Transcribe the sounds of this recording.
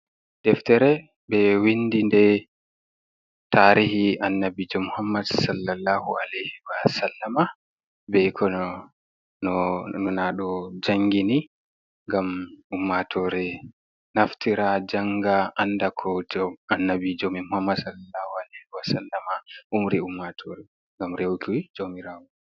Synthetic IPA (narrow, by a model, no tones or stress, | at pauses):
dɛftɛɾɛ | bɛwindindɛ | taɾihianːabid͡ʒɔmuhamːadsalːalːahualɛjhiwasalːama | bɛjkʰɔn | nɔnɔnaɗɔd͡ʒaŋɡini | ŋɡamʔumːatʰɔɾɛ | naftiɾad͡ʒaŋɡaʔandakʰɔd͡ʒɔanːabid͡ʒomimuhamːadsalːalːaːhualɛjhiwasalːamaʔumɾiumːatʰɔɾɛ | ŋɡamɾewkiwid͡ʒomiɾawɔ